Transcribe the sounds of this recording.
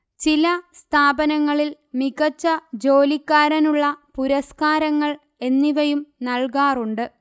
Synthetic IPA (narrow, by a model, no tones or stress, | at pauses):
t͡ɕilɐst̪ʰaːbɐnɐŋːɐɭil | miɣɐt͡ɕːɐd͡ʑo̞ːlikːaːɾɐnuɭːɐpuɾɐskaːɾɐŋːɐɭ | e̞nːiʋɐjumnɐɭkaːruɳɖɨ